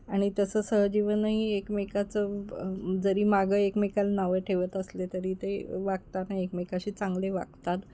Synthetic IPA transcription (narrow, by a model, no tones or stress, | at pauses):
aɽ̃it̪əsəːsəɦd͡ʑiʋənɦiekmekat͡sə | d͡zəɾiːmaɡəekmekalnaʋəʈʰeʋət̪əslet̪əɾiːt̪eʋaɡ̚t̪anaiekmekaɕiːt͡sãŋɡleʋa̰ɡt̪at̪